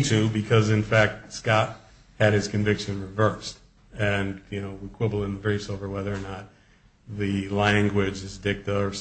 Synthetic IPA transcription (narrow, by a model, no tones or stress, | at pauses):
tʰʉbɨkʰʌzɨ̃nfæk̚t̚skɑt̚ | hɨɾ̚ɨz̥kʰɨ̃ɱvɪkʃɨ̃nɹɨvɜ˞st | ɨ̃njɨnoʊwikʰw̥ɪbl̩ˠɪ̃nðɨvɛɹisoʊvə˞wɛðə˞ːnət̚ | ðɨlæ̃ŋɡwɪd͡ʒɨzdɪk̚tʌ˞s